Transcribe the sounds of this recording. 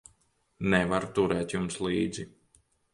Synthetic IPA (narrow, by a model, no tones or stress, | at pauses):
nɛvaɾt̪uɾɛːt̪jumsliːd̪zi